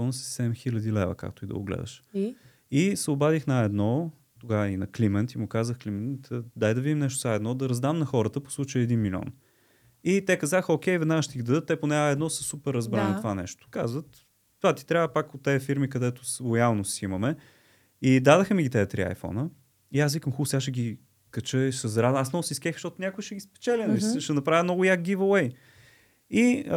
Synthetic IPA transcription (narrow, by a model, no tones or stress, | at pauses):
fɔnsi̥sɛd̪ɛmxilʲəd̪ilɛ̰və̰ka̰k̚t̪ʊid̪ɐ̰ʊ̰ɡlɛ̰d̪ɐ̰ʃ | isɛʊbad̪ixnɐɛd̪nɔ | t̪oɡavinɐklimɛnt̪imʊkazəxklimɛnt̪d̪ajd̪ɐvid̪imnɛʃt̪ʊ̥zaɛd̪nɔd̪ɐɾɐzd̪amnɐxɔɾət̪əpo̥slˠut͡ʃəjəːd̪inmilʲiɔ̰n | it̪ɛkɐzaxəok̟ʲɛjvɛd̪naɡəʃt̪ɛiɣd̪ɐd̪ɤt̪ːɛponɛɛd̪nɔsəsupɛɾːɐzbɾanit̪ovanɛʃt̪ʊ̥kazvət̪ | t̪vat̪i̥t̪ɾʲavəpakʊt̪ːɛfiɾmikɐd̪ɛt̪ʊ̥slˠojalˠnossiimɐmɛ | id̪ad̪əxəmiɡʲit̪ɛət̪ɾḭa̰jfɔ̰nə | iasvikəmxusʲaʃɛɡʲi | kət͡ʃəisɐzɾad̪asnɔvʊsiskɛxʃt̪ɔt̪ʊnʲakʊiʃɛɡʲispɛ̥t͡ʃɛlʲinmisəʃɛnɐpɾavʲjəmnɔɡʊjak̚ɡivəwɛj | i